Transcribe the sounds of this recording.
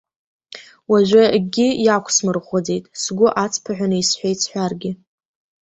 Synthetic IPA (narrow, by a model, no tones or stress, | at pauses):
waʒʷᶣaɡʲɪjakʷʰsmɨrχʷod͡zejtʼsɡʷʊʔat͡sʰʼpʰaħʷᶣanɨisħʷᶣejt͡sʰħʷᶣarɡʲɪ